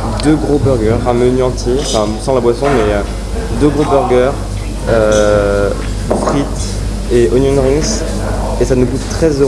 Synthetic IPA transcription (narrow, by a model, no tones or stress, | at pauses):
d̪øɡʁobœʁɡœʁɛ̃mənyɑ̃t̪ʰjeɑ̃fɛ̃sɑ̃labwasɔ̃mɛø | d̪øɡʁobœʁɡʲœʁ | ø | fχit̪ | eɔnjɔnʁĩŋs | esanuɡut̪ːχɛzø